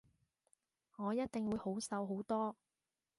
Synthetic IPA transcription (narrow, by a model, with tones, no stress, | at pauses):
ŋɔː˨˧jɐ˥t̚t̪ɪ˨ŋwuː˨˧jho˨˥wsɐ˨˧wɦo˨˥wt̪ɔː˥